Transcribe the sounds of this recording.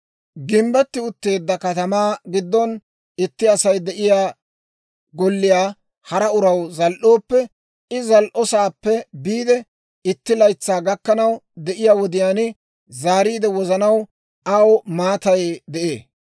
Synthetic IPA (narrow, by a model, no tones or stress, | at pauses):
ɡɪmbɛt̪ːɪʊt̪ːe̞ːd̪ːɐkɐt̪ɐmaːɡɪd̪ːɔn | ɪt̪ːɪɐsɐjd̪ɛʔɪjaː | ɡɔlːɪjaː | hɐɾɐʊɾɐwzɐlʔo̞ːpːɛ | ɪzɐlʔɔsaːpːɛbiːd̪ɛ | ɪt̪ːɪlɐjt͡sːaːɡɐkːɐnɐwd̪ɛʔɪjaːwɔd̪ɪjaːnɪ | zaːɾiːd̪ɛwɔzɐnɐw | ɐwmaːt̪ɐjd̪ɛʔeː